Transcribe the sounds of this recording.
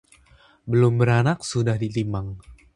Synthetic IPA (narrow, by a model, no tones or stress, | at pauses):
bəlʊmbəɾanak̚sudahdit̪imaŋ